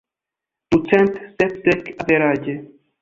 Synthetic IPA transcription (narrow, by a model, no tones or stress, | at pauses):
d̪̥ut͡sɛnt̪sɛpt̪ɛkavɛɾaːɟɛ